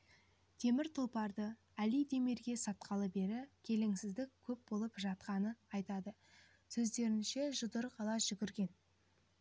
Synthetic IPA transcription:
t̪ʰe̞mɪɾt̪ʰolˠpɑɾd̪ə | ælijd̪eme̞ɾɡʲe̞sɑt̪̚qʰɑlˠəbe̞ɾɪkʲʰe̞lɪŋsɪzd̪ɪkʲʰɵp̚bo̞lˠəpʒɑt̪̚qɑnəɑjt̪ɑd̪ə | sɵzd̪e̞ɾɪnʃe̞ʒʊd̪əɾqʰɑlˠɑʒ̥ʏɡʲɪɾɡʲe̞n

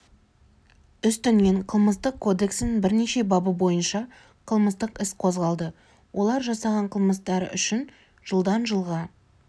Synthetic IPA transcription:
ʏst̪ʏnɡʲe̞ɴqʰəlˠməst̪əqʰːo̞d̪e̞ksɪnɪŋbɪɾne̞ʃe̞bɑbəbo̞jənʃɑ | qʰəlˠməst̪əqɪsqʰo̞zʁɑlˠd̪ə | wʔo̞lˠɑɾʒɑsɑʁɑɴqʰəlˠməst̪ɑɾə̰ʔʏʃɪn | ʒ̥əlˠd̪ɑnʒəlˠʁɑ

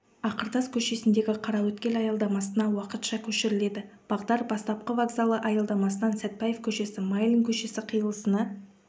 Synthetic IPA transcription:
ɑqəɾd̪ɑskʲʰɵʃe̞sɪnd̪e̞ɡʲɪqʰɑɾɑwɵt̪kʲe̞lɑjɑlˠd̪ɑmɑsənɑwɑqət̪ʃɑkʲʰɵʃɪɾɪle̞d̪ɪb̥ɑʁd̪ɑɾbɑst̪ɑp̚qəvaɡzalˠəʔɑjɑlˠd̪ɑmɑsənɑnsæt̪̚pɑjefkʲʰɵʃe̞sɪmajlʲˠiŋkʲʰɵʃe̞sɪqʰijəlˠəsənɑ

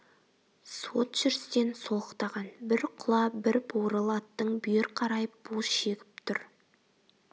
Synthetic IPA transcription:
so̞t̪ʒ̥ʏɾst̪e̞nso̞lˠəqt̪ɑʁɑnbɪɾqʰʊlˠɑbɪɾboɾəlˠɑt̪ːəɴbʏjeɾqʰɑɾɑjəp̚b̥osʃe̞ɡʲɪp̚t̪ʰʊɾ

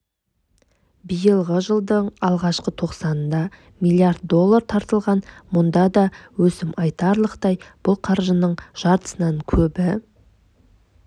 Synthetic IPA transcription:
bijəlˠʁəʒəlˠd̪əɴɑlˠʁɑʃqət̪ʰo̞qsɑnnd̪ɑ | milʲˠiard̪̚d̪o̞lˠːaɾt̪ʰɑɾt̪əlˠʁɑnmʊnd̪ɑd̪ɑwɵsɪmɑjt̪ɑɾlˠəqt̪ɑjb̥ʊlˠqʰɑɾʒənəɴʒ̥ɑɾt̪ə̥sənɑŋkʲʰɵbɪ

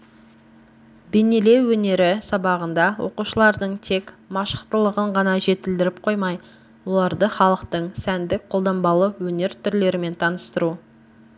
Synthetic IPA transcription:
benele̞wːɵne̞ɾɪsɑbɑʁənd̪ɑwo̞quʃəlˠɑɾd̪əɴt̪ʰe̞k | mɑʃə̥qt̪əlˠəʁəɴʁɑnɑʒe̞t̪ɪld̪ɪɾɪpqʰo̞jmɑj | wo̞lˠɑɾd̪əχɑlˠəqt̪əɴsænd̪ɪk̚qʰo̞lˠd̪ɑmbɑlˠəwɵne̞ɾt̪ʰʏɾle̞ɾɪme̞nt̪ʰɑnəst̪əɾu

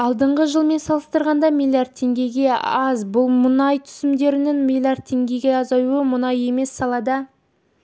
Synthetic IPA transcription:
ɑlˠd̪əɴʁəʒəlˠme̞nsɑlˠəst̪əɾʁɑnd̪ɑmilʲˠijard̪̚t̪ʰːe̞ŋɡʲe̞ɡʲe̞ɑzbʊlˠmʊnɑjt̪ʰʏ̥sɪmd̪e̞ɾɪnɪŋmʲilˠʲjard̪̚t̪ʰːe̞ŋɡʲe̞ɡʲe̞ɑzɑjuəmʊnɑje̞mesːɑlˠɑd̪ə

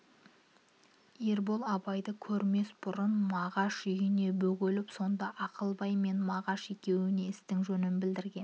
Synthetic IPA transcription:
eɾbo̞lˠɑbɑjd̪əkʲʰɵɾme̞sbʊɾənmɑʁɑʃʏjɪne̞bɵɡʲelɪpso̞nd̪ɑʔɑqəlˠbɑjme̞nmɑʁɑʃe̞kʲe̞wɪne̞ɪst̪ɪŋʒɵnɪnbɪld̪ɪɾɡʲe̞n

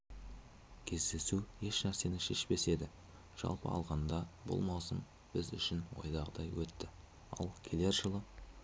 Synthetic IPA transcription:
kʲʰe̞zd̪e̞sue̞ʃnæɾse̞nɪʃe̞ʃpe̞se̞d̪ɪ | ʒ̥ɑ̰lˠpə̰ɑ̰lˠʁɑnd̪ɑbʊ̰lˠmɑwsəm | b̥ɪzʏ̰ʃɪnwo̞̰jd̪ɑʁəd̪ɑjwɵt̪ːɪ | ɑ̰lˠkʲʰe̞le̞ɾʒəlˠə

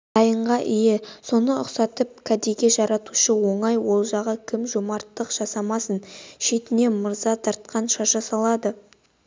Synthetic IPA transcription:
d̪ɑjəɴʁɑʔijeso̞nəʊqsɑt̪əp̚kʰad̪eɡʲe̞ʒɑɾɑt̪uʃəwo̞ɴɑjwo̞lˠʒɑʁəkʲʰɪmʒomɑɾt̪ːəqʒ̥ɑsɑmɑsənʃe̞t̪ɪne̞məɾzɑt̪ʰɑɾt̪̚qɑnʃɑʒɑsɑlˠɑd̪ə

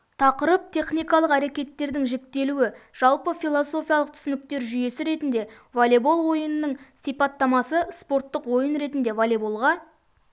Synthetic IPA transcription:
t̪ʰɑqəɾəp̚t̪ʰe̞χnijkɑlˠəqæɾe̞kʲe̞t̪ːe̞ɾd̪ɪŋʒek̚t̪e̞luwɪʒ̥ɑlˠpəfʲijlˠoso̞fijɑlˠəq̚t̪ʰʏ̥sɪnɪk̚t̪e̞ɾʒʏje̞sɪɾe̞t̪ɪnd̪e̞ | volʲebo̞lˠwo̞jənənːəɴsijpɑt̪ːɑmɑsəspo̞rt̪ːəqwo̞jənɾe̞t̪ɪnd̪e̞volʲebolˠʁɑ

